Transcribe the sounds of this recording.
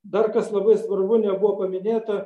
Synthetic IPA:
d̪ɐrkɐslˠɐbɐɪsʋɐrbʊnʲɛbʊʋoːpɐmʲɪnʲeːt̪ɐ

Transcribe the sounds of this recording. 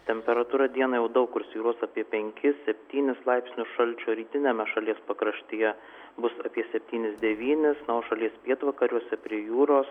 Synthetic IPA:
t̪ʲɛmʲpʲɛɾɐt̪uːɾɐd̪ʲiɛnɐːjɛʊd̪ɐʊkːʊɾsʲiːɾuɔsɑːpʲiɛpʲɛŋʲkʲɪsʲɛpʲt̪ʲiːnʲɪslˠɐɪpʲsʲnʲʊʃɐlʲt͡ʃʲoːɾʲiːt̪ʲɪnʲɛmʲɛʃɐlʲiɛspɐkɾɐʃʲt̪ʲeːjɛ | bʊsɐpʲiɛsʲɛpʲt̪ʲiːnʲɪsd̪ʲɛʋʲiːnʲɪsnɐʊʃɐlʲiɛspʲiɛt̪ʋɐkɐɾʲuɔsʲɛpʲɾʲiɛjuːɾoːs

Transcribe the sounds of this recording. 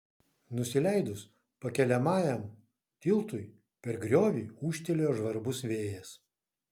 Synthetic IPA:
nʊsʲɪlʲæɪd̪ʊs | pɐkʲɛlʲɛmɑːjɛm | t̪ʲɪlˠt̪ʊj | pʲɛɾɡɾʲoːʋʲiːuːʃʲt̪ʲɛlʲeoːʒʋɐɾbʊsʋʲeːjɛs

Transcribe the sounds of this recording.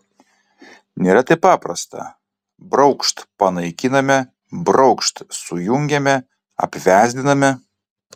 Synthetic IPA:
nʲeːɾɐt̪ɐɪpːɑːpɾɐst̪ɐ̰ | bɾɒʊkʃt̪pɐnɐɪkʲɪnɐmʲɛ | bɾɒʊkʃt̪sʊjʊŋʲɡʲɛmʲɛ | ɐ̰pʲʋʲæːzʲd̪ʲɪnɐmʲɛ

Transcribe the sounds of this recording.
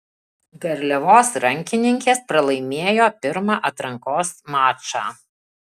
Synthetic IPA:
ɡɐɾʲlʲɛʋoːsɾɐŋʲkʲɪnʲɪŋʲkʲeːspɾɐlˠɐɪmʲeːjoːpʲɪɾmɑːʔɐt̪ɾɐŋkoːsmɑːt͡ʃɑ̰ː

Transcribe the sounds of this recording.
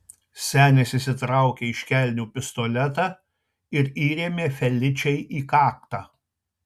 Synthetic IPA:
sʲæːnʲɛsʲɪsʲɪt̪ɾɑˑʊkʲeːɪʃʲkʲælʲnʲuːpʲɪst̪ɔlʲɛt̪ɑ | ɪɾiːɾʲeːmʲeːfʲɛlʲɪt͡ʃʲɛɪʔiːkɑːkt̪ɑː

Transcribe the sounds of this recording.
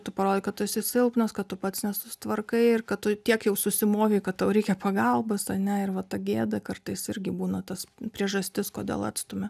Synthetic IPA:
t̪ʊpɐɾoːdʲɪkɐt̪t̪ʊɪsʲɪsʲɪlˠpnɐskɐtt̪ʊpɐt̪snʲɛsʊst̪ʋɐrkɐɪɪrkɐtt̪ʊt̪ʲiɛkjɛʊsʊsʲɪmoːʋʲeɪkɐt̪tɐʊɾʲɛɪkʲɛpɐɡɐlˠbɐsɐnʲɛɪrʋɐt̪ɐɡʲeːd̪ɐkɐrt̪ɐɪsɪɾʲɡʲɪbuːnɐt̪ɐspʲɾʲiɛʒɐsʲt̪ʲɪskoːd̪ʲḛːlˠɑ̰t̪st̪ʊmʲɪ

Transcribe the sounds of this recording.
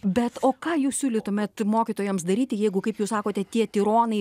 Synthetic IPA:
bʲɛt̪oːkɑːjuːssʲuːlʲɪt̪uɔmʲɛt̪moːkʲit̪oːjɛmsd̪ɐɾʲiːt̪ʲɪjɛɪɡʊkɐɪpjuːssɑːkoːt̪ʲɛt̪ʲiɛt̪ʲɪɾoːnɐɪ

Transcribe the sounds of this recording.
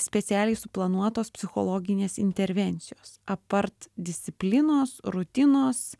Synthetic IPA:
sʲpʲɛt̪sʲæːlʲɛɪsʊplˠɐnuɔt̪oːspʲsʲɪxo̰ːlˠoːɡʲɪnʲeːsɪ̰nʲt̪ʲɛɾʲʋʲɛnʲt̪sʲɪjoːsɐpɐɾt̪d̪ʲɪsʲt̪ʲɪpʲlʲɪnoːsɾʊt̪ʲɪnoːs

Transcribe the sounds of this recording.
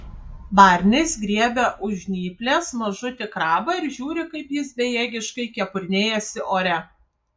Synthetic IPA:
bɑˑɾʲnʲɛɪsɡɾʲiɛbʲɛʔʊʒʲnʲiːpʲlʲeːsmɐʒʊt̪ʲɪkɾɑːbɐɪɾʒʲuːɾʲɪkɐɪpjɪsbʲɛjɛːɡʲɪʃkɐɪkʲɛpʊɾʲnʲeːjɛsʲɪʔoːɾʲɛ

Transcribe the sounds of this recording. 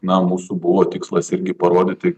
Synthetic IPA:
nɐmuːsubʊʋoːt̪ʲɪkslˠɐsɪɾʲɡʲɪpɐɾoːd̪ʲɪt̪ʲɪ

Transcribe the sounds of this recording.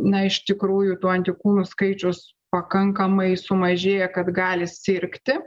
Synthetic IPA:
nɐɪʃt̪ʲɪkɾuːjʊt̪uːɐnʲt̪ʲɪkuːnʊskɐɪt͡ʃʲʊs | pɐkɐŋkɐmɐɪsʊmɐʒʲeːjɛkɐt̪ɡɑːlʲɪsʲɪɾʲkt̪ʲɪ

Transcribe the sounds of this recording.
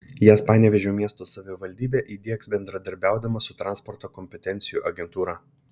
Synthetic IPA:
jæːspɑːnʲɛʋʲɛʒʲɛːmʲiɛst̪oːsɐʋʲɪʋɐlʲd̪ʲiːbʲeːʔiːd̪ʲiɛksbʲɛnd̪ɾɐd̪ɐɾʲbʲæˑʊd̪ɐmɐsʊt̪ɾɑːˑnspɔɾt̪oːkɔmʲpʲɛt̪ʲɛnʲt̪sʲɪjuːʔɐɡʲɛnt̪uːɾɑː

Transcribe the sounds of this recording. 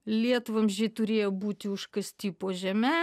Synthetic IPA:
lʲiɛt̪ʊʋɐmʒʲɛt̪ʊɾʲeːjoːbuːt̪ʲɪʊʃkɐsʲt̪ʲiːpoːʒʲɛmʲɛ

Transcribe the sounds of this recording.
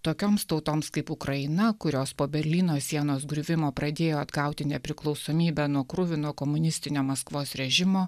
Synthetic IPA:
t̪oːkʲoːmst̪ɐʊt̪oːmskɐɪpʊkɾɐɪnɐkʊɾʲoːspoːbʲɛɾʲlʲiːnoːsʲiɛnoːsɡɾʲʊʋʲɪmoːpɾɐd̪ʲeːjoːɐd̪ɡɐˑʊt̪ʲɪnʲɛpʲɾʲɪklˠɒʊsoːmʲiːbʲɛnuɔkɾʊʋʲɪnuɔkɔmʊnʲɪsʲt̪ʲɪnʲoːmɐskʋoːsɾʲɛʒʲɪmoː

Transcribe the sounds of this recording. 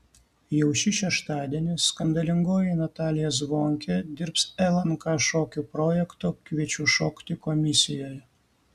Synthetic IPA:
jɛʊʃʲɪʃʲɛʃt̪ɑːd̪ʲiɛnʲɪskɐnd̪ɐlʲɪŋɡoːjɪnɐt̪ɑːlʲɪjɛsʋoːŋʲkʲɛd̪ʲɪɾpsɛlˠɐnkɑʃoːkʲuːpɾɔːjɛkt̪oːkʲʋʲiɛt͡ʃʲuːʃoːkt̪ʲɪkɔmʲɪsʲɪjoːjɛ

